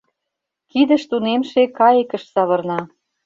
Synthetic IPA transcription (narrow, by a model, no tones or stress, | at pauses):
kid̪ə̆ʃt̪unemʃekɑjekə̆ʃsɑβɤ̆rnɑ